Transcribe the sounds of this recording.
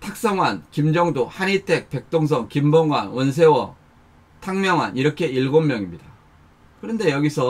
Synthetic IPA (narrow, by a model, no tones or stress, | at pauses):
tʰak̚s͈ʌŋwankimd͡ʑʌŋdohanitʰe̞k̚pe̞k̚t͈oŋs̬ʰʌŋkimboŋɡwanwʌns̬ʰe̞wʌ | tʰaŋmjʌŋɦaniɾʌkʰe̞iɭɡomːjʌŋimɲida | kɯɾʌnde̞jʌɡisʰʌ